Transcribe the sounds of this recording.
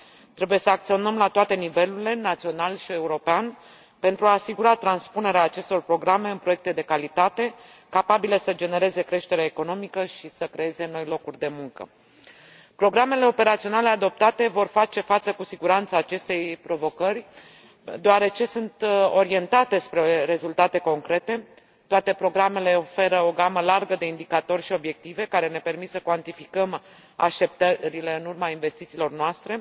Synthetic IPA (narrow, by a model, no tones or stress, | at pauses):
t̪ɾe̞buje̞səak̚t̪sio̞nəmlat̪oat̪e̞nive̞luɾile̞nat̪sio̞nalʃie̞uɾo̞pean | pe̞nt̪ɾuaːsiɡuɾat̪ɾanspune̞ɾeaːt͡ʃe̞st̪o̞rpɾo̞ɡɾame̞ɨnpɾo̞jek̚t̪e̞d̪e̞kalit̪at̪e̞ | kapabile̞səd͡ʒe̞ne̞ɾe̞ze̞kɾe̞ʃt̪e̞ɾeaeko̞no̞mikəʃisəkɾe̞e̞ze̞no̞jlo̞kurʲd̪e̞muŋkə̰ | pɾo̞ɡɾame̞le̞o̞pe̞ɾat̪sio̞nale̞ad̪o̞p̚t̪at̪e̞vo̞rfat͡ʃe̞fat̪səkusiɡuɾant̪saːt͡ʃe̞st̪e̞jpɾo̞vo̞kərʲ | d̪oaɾe̞t͡ʃe̞sunt̪o̞ɾie̞nt̪at̪e̞spɾe̞ɾe̞zult̪at̪e̞ko̞ŋkɾe̞t̪e̞ | t̪oat̪e̞pɾo̞ɡɾame̞le̞o̞fe̞ɾəo̞ɡaməlarɡəd̪e̞ind̪ikat̪o̞rʲʃio̞bje̞k̚t̪ive̞kaɾe̞ne̞pe̞rmit̪səkwant̪ifikəm | a̰ʃt̪ep̚t̪əɾile̞ɨnurmainve̞st̪it̪silo̞rnoast̪ɾe̞